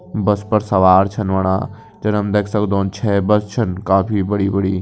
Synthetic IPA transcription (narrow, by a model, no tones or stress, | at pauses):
bɐspɐɾsɐʋaːɾt͡ʃʰɐnʋɐɽ̃a̰ː | d͡ʒɐnəmd̪eːkʰsɐkd̪õːnt͡ʃʰɛːbɐst͡ʃʰɐnkaːpʰibɐɽiːbɐɽiː